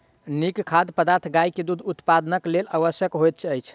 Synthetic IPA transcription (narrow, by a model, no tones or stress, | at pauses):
nikkʰad̪pəd̪aɾt̪ʰɡajked̪ud̪ʱut̪pad̪ənəklelʔaʋəsjəkɦojt̪̚t͡ʃʰəjt͡ʃʰ